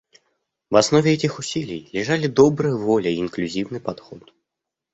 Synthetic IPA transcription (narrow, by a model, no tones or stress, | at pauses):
vasnɔvʲɛɛt̪ʲixusʲilʲijlʲiʐalʲid̪ɔbɾɨjɐvɔlʲɛiːnklʲuzʲiwnɨpad̪xɔt̪